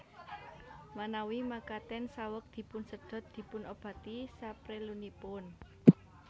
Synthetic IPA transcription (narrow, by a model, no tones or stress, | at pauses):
manawimakat̪ɛnsawək̚d̪̥i̤pʊnsəɖ̪̥ɔ̤t̪̚d̪̥i̤pʊnob̥ä̤t̪isapɾelunipʊn